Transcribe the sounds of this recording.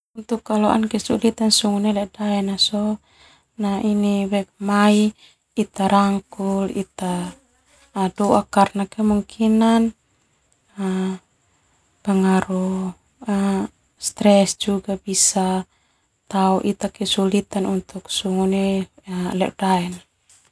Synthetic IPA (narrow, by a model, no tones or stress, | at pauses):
unt̪ukːalɔʔa̰nkɛsulit̪ansuŋunɛlɛʔdaɛnasɔ | nainiwɛk̚mai | it̪aɾaŋkulḭt̪a | dɔʔakarnakɛmuŋkʰinan | a | pəŋaɾu | a | st̪ɾɛsd͡ʒuɡabisa | t̪auʔit̪akɛsulit̪anunt̪uk̚suŋunɛlɛ̰ʔdaɛna